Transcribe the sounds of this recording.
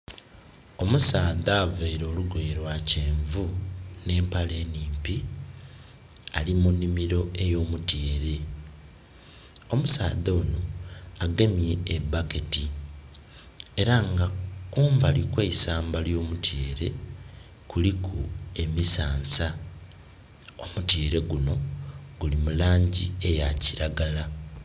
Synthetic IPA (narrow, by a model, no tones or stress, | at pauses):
o̞musaːðaːveɾo̞ːluɡwe̞ːɾwace̞ːɱvune̞ːmpale̞ːniːmpi | alimunːimiɾo̞e̞jo̞ːmutjeːɾe̞ | o̞musa̰ːðo̞ːnoaɡe̞mje̞ːbːake̞ti | e̞ɾaŋɡakuːɱvalikweisaːmbaljo̞ːmutje̞ːɾe̞ | kulikʰue̞misaːnsa | omutjeːɾe̞ɡuno̞ɡ̥ulimulaːɲɟie̞jaciɾaɡala